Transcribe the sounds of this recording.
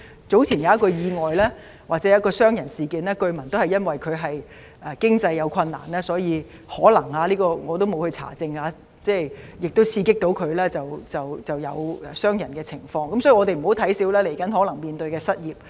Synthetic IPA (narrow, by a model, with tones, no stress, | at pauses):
t͡so˨˥wt͡sʰiː˨˩njɐ˨˧˦ɐ˥kːɔ˧jiː˨˧ŋɔː˨jlɛː˥ | waː˨˩t͡sɛ˨˦˥ɐ˨˦˥kɔː˧sœː˥ŋjɐ˨˩nsiː˨˩kiː˨˧nɛː˥kɵ˧ɥmɐ˨˩nt̪o˥whɐ˨jɐ˥nwɐ˨jkʰɵ˨˧ɥɦɐ˨j | ɛ˨kɪ˥ŋt͡sɐ˧jːɐ˨˧wkʰɐ˧nːa̰ː˨˩nɛː˥sɔː˨˥jiː˨˧ | hɔː˨˥lɐ˨˩ŋhaː˧liː˥kɔː˧ŋɔː˨˧t̪̬o˥wmo˨˧whɵ˧t͡sʰa̰ː˨˩t͡sɪ˧ŋaː˨˧ | t͡sɛː˥˩jɪ˨k̚t̪o˥wt͡sʰiː˧kɪ˥k̚t̪o˨˥wkʰɵ˨˧ɥlɛː˥t͡sɐ˨wt͡sɐ˨˩wt͡sɐ˨wjɐ˨˧wɛ˨sœː˥ŋjɐ˨˩nkɛː˧t͡sʰɪ˨˩ŋfɔː˧ŋkɐ˦msɔː˨˥i˨˧ŋɔː˨˧t̪e˨m̩˨˩ho˨˥wt̪ʰɐ˨˥jsiː˨˥wlɛː˥le˨˩jkɐ˨˥nhɔː˨˥lɐ˨˩ŋmiː˨nt̪ɵ˧ɥkɛː˧sɐ˥t̚jiː˨˩p̚